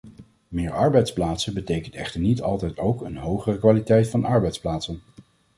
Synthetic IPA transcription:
mɪːɹʔɑɹbɛjtsplaːtsənbətejkəntɛ̰χtəɹnitɑlˠtɛjtowkənɦowχərəkʋaːlitɛjtfɑnʔɑɹbɛjtsplaːtsən

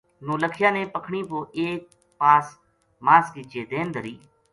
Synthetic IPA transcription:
nũːləkʰjãːnẽːpəkʰɳiːpoːʔeːk̚ | paːs | maːskɪt͡ʃeːd̪eːnd̪əɾiː

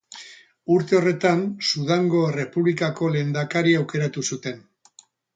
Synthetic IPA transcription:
uɾt̪e̞o̞re̞t̪ansuðaŋɡo̞ere̞puβlikako̞le̞nd̪akaɾiawke̞ɾat̪usut̪e̞n

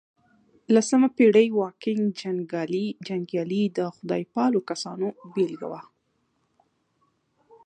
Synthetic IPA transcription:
lasəmapeɽəjwɑkɪŋɡd͡ʒaŋɡɑlid͡ʒaŋɡjɑlid̪əxʊd̪ɑ̰jpɑlokasɑnobelɡa̰wa

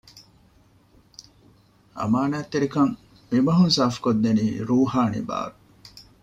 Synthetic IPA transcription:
ɐ̰maːnaːt̪ːeɾikɐŋ | mimɐɦunsaːfu̥kod̪ːeniːɾuːhaːnḭba̰ːɾu

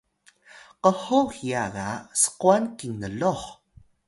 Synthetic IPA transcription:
qəhoxiaɣasə̥quankiŋnəɮoχ

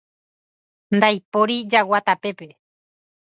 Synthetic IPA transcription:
nd̪ajpoɾid͡ʒawat̪ape̞pe̞

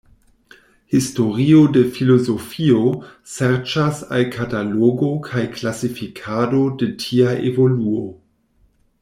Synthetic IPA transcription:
histo̞ɾiode̞filo̞zo̞fio̞seɾt͡ʃasalkʰataloɡo̞kʰajklasifikʰado̞de̞tʰiaʔḛvo̞luo

